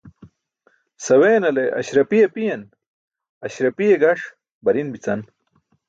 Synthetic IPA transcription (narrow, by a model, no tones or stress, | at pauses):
sɐweːnɐleʔɐ̰ɕɾɐpijepijɐn | ɐɕɾɐpijeɡɐʂ | bɐɾinbit͡sɐn